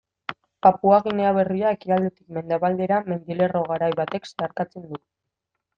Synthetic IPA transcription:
papuaɣineaβ̞e̞riae̞kiald̪et̪i̥kme̞nd̪eβald̪eɾame̞nd̪ile̞ro̞ɣ̞aɾajβat̪e̞ksaɾkat͡send̪u

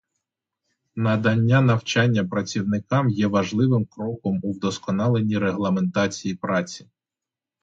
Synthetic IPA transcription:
nɐd̪ɐnʲːanɐwt͡ʃɑnʲːɐpɾɐt͡sʲiwnɪkɑmjɛʋɐʒlˠɪʋɪmkɾɔkɔmuwd̪ɔskɔnɑlˠe̞nʲiɾeɦlˠɐme̞nt̪ɑt͡sʲijipɾɑt͡sʲi̥

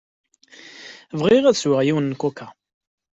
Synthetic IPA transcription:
vʁɪʁæðswəʁjiwənːkukːa

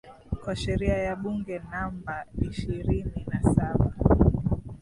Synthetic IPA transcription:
kwaʃɛɾiajaɓuŋɡɛnambaiʃiɾininasaɓa

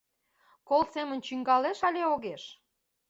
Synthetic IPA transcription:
kolsemənt͡ɕyŋɡɑleʃɑlʲeoɣeʃ

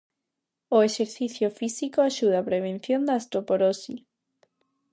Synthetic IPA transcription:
oeʃeɾθiθjofisikoaʃuð̞apɾeβ̞en̟θjõnd̪aːst̪ɾopoɾosi

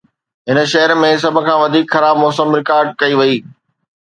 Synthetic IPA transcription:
ɦɪnə̆ʃɐɦəɾmẽs̬ɐbʱʊ̆kʰãːʋɐd̪ʱiːkxɐɾaːbmɔːsəmɾɪkaːɾɖ̚kɐiʋɐiː

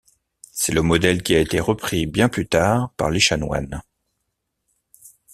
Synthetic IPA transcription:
sɛləmɔd̪ɛlkʲiaet̪eʁəpχibjɛ̃plyt̪aːʁpa̰ʁleʃanwa̰n

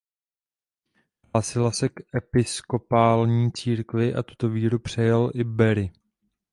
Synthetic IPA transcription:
ɦlaːsɪlasɛkʔɛpɪsko̞paːlɲiːt͡siːɾkvɪʔa̰t̪u̥t̪o̞viːɾupr̝̥ɛjalʔɪbɛɾɪ

